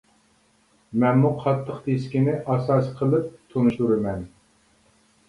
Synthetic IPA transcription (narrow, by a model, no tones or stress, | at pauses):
mɛnmuqʰɑt̪ʰːəqt̪ʰeskʲinɪʔɑsɑsqʰəlˠɨp̚t̪ʰonuʃuɾɨmɛn